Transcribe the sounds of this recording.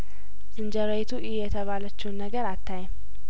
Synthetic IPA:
z̥ɨnd͡ʒəɾojt̪ʰuʔɪjɛt̪ʰəβalət͡ʃːɛwnːəɡəɾat̪ʰːajɛm

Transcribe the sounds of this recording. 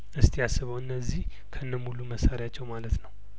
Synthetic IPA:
ʔɨst̪ʰijasːɨβəwɨnːəzːih | kʰəɨnːəmuluməsaɾjat͡ʃːɛwmalət̪nəw

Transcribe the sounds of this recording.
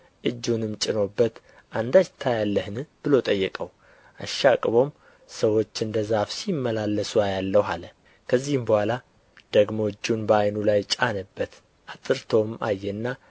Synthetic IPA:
ʔɨd͡ʒːunɨmt͡ʃʼɪno̞bːət̪ | ʔand̪ad͡ʒt̪ʰajalːəhɨnɨb̥ɨlo̞t̪ʼəjːɛkʼəw | ʔaʃakʼβo̞m | səwo̞t͡ʃːɨnd̪əzafsimːəlalːəsuajalːəwɦalə | kʰəzːihɨmbəhʷala | d̪̥əɡmoɨd͡ʒːunbəajnulajt͡ʃʼanəbːət̪ | ʔat̪ʼɨɾt̪ʰo̞majːɛnːa

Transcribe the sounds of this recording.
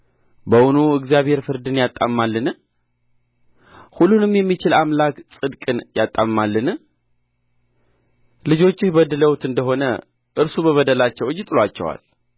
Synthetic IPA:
bəwunuɨɡzijaβhe̞ɾfɨɾd̪ɨnjat̪ʼːamːalːɨn | hulːunɨmjɛmːit͡ʃɪlamlaksʼɨd̪kʼɨnjat̪ʼːammalːɨn | lɨd͡ʒo̞t͡ʃːɪhbəd̪ɨləwt̪ɨnd̪əɦo̞nə | ʔɨɾsubəβəd̪əlat͡ʃːɛwɨd͡ʒːɪt̪ʼɨlat͡ʃːɛ̰wa̰l

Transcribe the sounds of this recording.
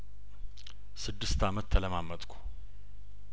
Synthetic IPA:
sɨd̪ːɨst̪ʰamət̪ʰːələmamːət̪ʼkʰu̥

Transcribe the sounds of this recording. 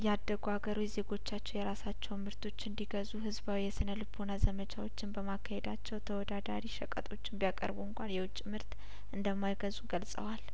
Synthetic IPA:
jɛad̪ːəɡuaɡəɾujze̞ɡo̞t͡ʃːat͡ʃːɛwjɛɾasat͡ʃːɛwmɨɾt̪ʰo̞t͡ʃːɨnd̪iɡəzuɦɨzbawijɛsɨnəlɨbʰonazəmət͡ʃʰawo̞t͡ʃːɪnbəmakʰːahed̪at͡ʃːɛwt̪ʰəwɔd̪ad̪aɾiʃəkʼət̪ʼo̞t͡ʃːɪnbijakʼə̰ɾbuɨŋkʷanjɛwʊt͡ʃʼːimɨɾt̪ | ʔɨnd̪əmːajɡəzuɡəlsʼə̰wal

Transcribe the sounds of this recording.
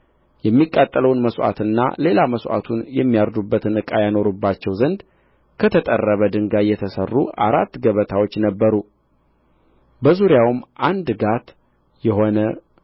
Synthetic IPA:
jɛmːikʼːat̪ʼːələwnməsʔa̰t̪ɨnːa̰le̞laməsʔa̰t̪ʰunjɛmːijaɾd̪ubːət̪ʰɨnɨkʼajano̞ɾubːat͡ʃːɛwzənd̪ | kʰət̪ʰət̪ʼə̰rːəβəd̪ɨŋɡajːɛt̪ʰəsərːuʔaɾat̪ːɡəβət̪ʰawo̞t͡ʃːnəbːəɾu | bəzuɾjawmːʔand̪ɡat̪ | jɛɦo̞nə

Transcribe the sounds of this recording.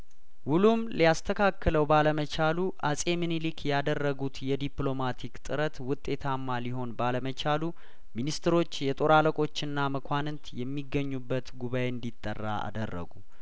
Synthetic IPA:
wulumlijast̪ʰəkʰakːələwbaləmət͡ʃʰaluʔasʼemɨnilikʰjad̪ərːəɡut̪jɛd̪iplo̞mat̪ʰikt̪ʼɨɾət̪wʊt̪ʼːe̞t̪ʰamːaliɦo̞nbaləmət͡ʃʰalu | minist̪ʰɾo̞t͡ʃːjɛt̪ʼo̞ɾaləkʼo̞t͡ʃːɪnːaməkʰʷanɨnt̪jɛmːiɡːəɲːubːət̪ɡuβajeɨnd̪it̪ʼːə̰rːa̰a̰d̪ərːə̰ɡu

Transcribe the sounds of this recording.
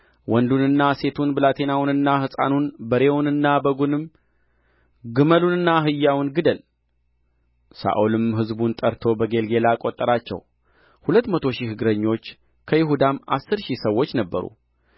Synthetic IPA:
wɔnd̪unɨnːase̞t̪ʰunbɨlat̪ʰenawnɨnːahɨsʼa̰nunbəɾe̞wunɨnːabəɡunɨm | ɡɨməlunɨnːaɦɨjːawnɡɨd̪əl | sa̰ʔulɨmɦɨzbunt̪ʼəɾt̪ʰo̞bəɡe̞lɡe̞lakʼot̪ʼːəɾat͡ʃːɛ̰w | hulət̪ːmət̪ʰo̞ʃihɨɡɾəɲːo̞t͡ʃː | kʰəjɪɦud̪amʔa̰sːɨɾʃisəwːot͡ʃːnəbːə̰ɾṵ

